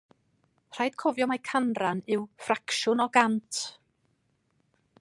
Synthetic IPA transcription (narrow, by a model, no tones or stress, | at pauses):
r̥ajd̥kʰɔvjɔmajkʰanranɪwfrakʃʊnɔɡantʰ